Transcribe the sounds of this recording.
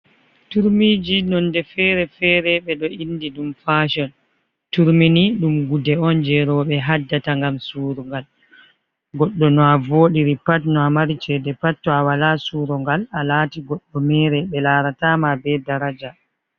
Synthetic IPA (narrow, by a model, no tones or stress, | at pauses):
tuɾmid͡ʒinɔndɛfɛɾɛfɛːɾɛɓɛɗɔinːdiɗumfaʃɔn | tuɾminiɗumɡudɛɔnd͡ʒɛɾɔɓɛɦadːataŋɡamsuːɾɔŋɡal | ɡɔɗːɔnɔavoːɗiɾipatnɔamaɾit͡ʃɛdɛpatːɔawalasuɾɔŋɡalalaːtiɡɔɗːɔmɛːɾɛɓɛlaːɾatamabɛdaɾad͡ʒa